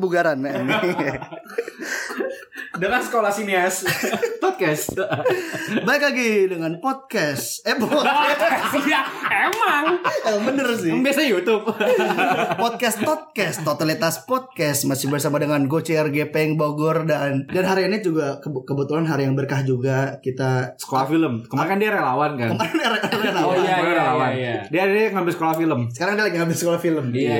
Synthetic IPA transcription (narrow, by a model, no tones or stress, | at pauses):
buɡaɾanan | dəŋansə̥kolahsiniaspɔt̪̚kɛst̪ | baɪkaɡidəŋanpɔt̪̚kɛsɛpɔkɛ | emaŋəbənərsɪbiasajut̪ʊp̚ | pɔt̪̚kɛst̪ɔt̪̚kɛst̪ːot̪alit̪aspɔt̪̚kɛsmasɪhbərsamadəŋanɡot͡ʃiɛrɡepeŋbaɡɔrdandanɦaɾiinid͡ʒuɡakəkəbət̪ulanɦaɾijaŋbərkahd͡ʒuɡakit̪asə̥kolahfiləmkəmaɾŋkandiaɾelawankankəmaɾkandiaɾeɾelaaelawandiadiŋambɪlsəkolahfiləmsə̥kaɾaŋdialaɡiŋambɪlsə̥kolahfiləm